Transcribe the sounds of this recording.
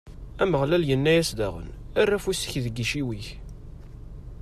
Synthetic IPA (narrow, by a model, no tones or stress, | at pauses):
æməʁlæljənːæjæsd̪æʁə̰n | ærːæfusə̥çðəɡiʃiwiç